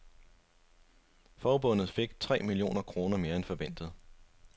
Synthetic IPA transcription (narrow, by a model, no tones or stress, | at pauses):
fɒːb̥ɔ̽n̰ð̩ˠfe̝ɡ̥̚t͡sʰʁɛ̰ːmilio̝̰ːnɐkʰʁo̝ːnɐme̝ːɐenfɒ̽ʋen̰d̥ð̞̩ˠ